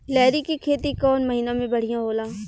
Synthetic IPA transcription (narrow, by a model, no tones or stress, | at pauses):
lɛːɾikikʰeːt̪ikɔːnməɦiːnãːmẽbəɽ̤ijãːɦoːlãː